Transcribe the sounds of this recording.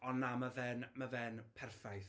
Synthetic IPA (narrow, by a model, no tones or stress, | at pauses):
ɔnːamavɛnmavɛnpʰɛrfajθ